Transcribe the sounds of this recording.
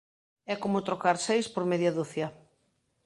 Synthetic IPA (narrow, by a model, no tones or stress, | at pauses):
ɛkomʊt̪ɾokaɾsejspoɾmeðjaðuθja